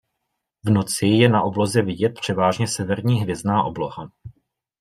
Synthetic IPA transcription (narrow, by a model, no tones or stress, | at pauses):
vno̞t͡sɪjɛnaʔo̞blo̞zɛvɪɟɛt̪̚pr̝̥ɛvaːʒɲɛsɛvɛɾɲiːɦvjɛzdnaːʔo̞blo̞ha